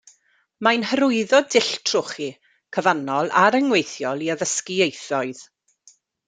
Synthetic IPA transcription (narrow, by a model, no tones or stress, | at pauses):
majnhəɾʊɨðɔdɪɬtʰrʊχi | kʰəvanɔlˠaɾəŋwejθjɔlˠiəvəskɪejθɔɨð